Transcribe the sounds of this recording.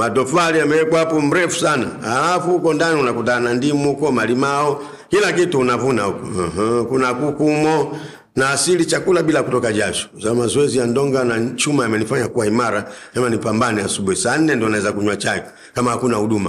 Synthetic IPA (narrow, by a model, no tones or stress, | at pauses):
matɔfaliamɛɛkwapɔm̩ɾɛfu̥sana̰alafuukɔndaniunakutanandimukɔmalimaɔ | kilakituːnavunaukɔ̰hkunakukumɔ | naːsilit͡ʃakulabilakutɔkaʄat͡ʃɔ̥zamazɔɛzijandɔŋɡanat͡ʃumaamɛnifaɲakuwaimaɾanamɛnipambaniasuɓuɛsan̩nɛndɔnaɛzakuɲwat͡ʃakɛ̥ | kamahakunahuɗuma